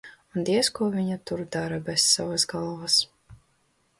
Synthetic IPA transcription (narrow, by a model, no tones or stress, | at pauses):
und̪iɛskuɔviɲat̪uɾd̪aɾabɛsːavasɡalˠvas